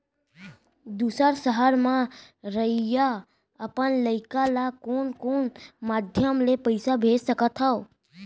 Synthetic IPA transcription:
d̪usaɾsəɦaɾmã | ɾəija | əpəɳləjkalakoɳkoɳmad̪ʱjəmlepəjsabʱed͡ʒsəkat̪ʰao

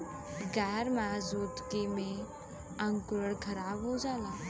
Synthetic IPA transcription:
ɡɛːɾmaːzuːt̪kimẽ | ɐ̃ŋkʊɾəɽkʰəɾaːbɦod͡ʒaːlaː

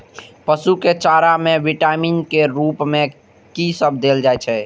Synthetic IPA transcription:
pəsuket͡ʃaɾamẽʋiʈaminkeɾupmẽ | kisəbʱd̪eld͡ʒajt͡ʃʰɛ

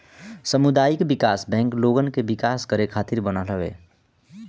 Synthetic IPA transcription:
səmʊd̪aːjɪkbɪkaːsbɛ̃ːŋkloːɡənkebɪkaːskəɾekʰaːt̪ɪɾbənaləʋḛː

